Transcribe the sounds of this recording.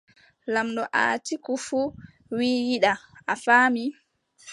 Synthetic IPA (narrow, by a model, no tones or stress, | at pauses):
lamɗɔʔa̰ːtikufu | wijiɗaʔafaːmi